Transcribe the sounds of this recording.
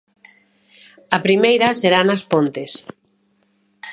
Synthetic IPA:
ɐpɾimejɾɐseɾanɐspont̪es

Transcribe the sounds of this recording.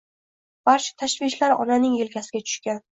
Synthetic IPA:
b̥aɾt͡ʃʰḁt̪ʰaʃvɪʃlaɾɒ̰nanɪŋelkʲʰasɪɡʲat͡ʃ̪ʰʊ̥ʃkʲan

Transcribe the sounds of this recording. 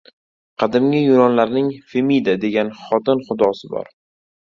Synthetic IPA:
qʰɑd̪ɪmɡʲɪjʊɾɒnlaɾnɪŋfemid̪ad̪e̞ɡʲanχɒt̪ɪnχʊd̪ɒsɪbɒ̰ɾ

